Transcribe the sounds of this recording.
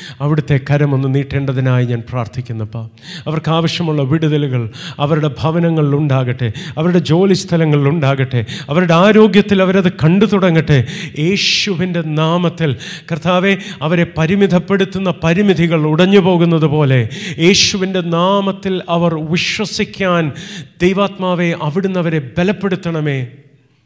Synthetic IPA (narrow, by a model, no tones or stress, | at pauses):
ɐʋiɽut̪ːe̞kɐɾɐmo̞nːɨniːʈːeːɳɖɐðinaːjiɲaːnpraːrt̪ʰikʲːunːɐpːɐ | ɐʋɐrkaːʋɐʂjɐmuɭːɐʋiɽuðɐluɣɐɭɐʋɐɾuɽe̞bʱɐʋɐnɐŋːɐɭiluɳɖaːɣɐʈːɨɐʋɐɾuɽe̞d͡ʑo̞ːlist̪ʰɐlɐŋːɐɭiluɳɖaːɣɐʈːɨɐʋɐɾuɽe̞aːɾo̞ːɡjɐt̪ːilɐʋɐɾɐðɨkɐɳɖut̪uɽɐŋːɐʈːɨje̞ːɕuʋinde̞naːmɐt̪ːilkɐrt̪aːʋe̞ɐʋɐɾe̞pɐɾimid̪ʱɐpːe̞ɽut̪ːunːɐpɐɾimid̪ʱiɣɐɭuɽɐɲːupo̞ːɣunːɐðupo̞ːle̞je̞ːɕuʋinde̞naːmɐt̪ːilɐʋɐrʋiɕwɐsikʲːaːnd̪̥ejʋaːt̪maːʋe̞ʔɐʋiɽunːɐʋɐɾe̞belɐpːe̞ɽut̪ːɐɳɐme̞ː